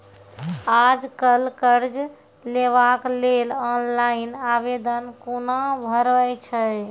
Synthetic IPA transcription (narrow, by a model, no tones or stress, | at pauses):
ad͡ʒkəlkəɾd͡ʒ | leβaklelɔnlainabed̪ənkonabʱəɾət͡ʃʰəj